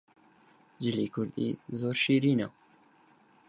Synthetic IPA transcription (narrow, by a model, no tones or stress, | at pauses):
d͡ʒɪliːkʰʊɾd̪ḭːzoːɾʃiːɾiːna